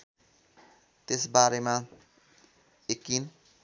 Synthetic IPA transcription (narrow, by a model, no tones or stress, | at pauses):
t̪esbaɾema | ekin